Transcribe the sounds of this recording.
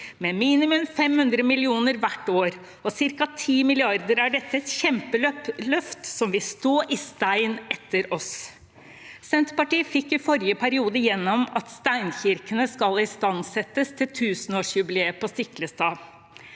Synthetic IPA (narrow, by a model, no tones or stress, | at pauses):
mɛmiːnɪmʉmfɛmhʉnd̪ɾəmɪlɪuːnəɾʋæʈːoːɾ | ɔsɪɾkɑt̪ʰiːmɪlɪɑɾd̪əɾæɖɛt̪ːəɛt̪çɛmpəlœlœft̪sɔmʋɪst̪oːʔɪst̪æɪnɛt̪ːəɾɔs | sɛnt̪pɑʈiːəfɪkːɪfɔɾjəpʰæɾɪuːd̪əjɛnːɔmɑt̪st̪æɪnçɪɾkənəskɑlɪst̪ɑnsɛt̪ːəst̪ʰɪlt̪ʰʉːsənoːʂjʉbɪleːəpɔst̪ɪkləst̪ɑː